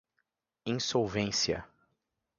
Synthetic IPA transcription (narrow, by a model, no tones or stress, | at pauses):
ĩŋsowvẽsiɐ̰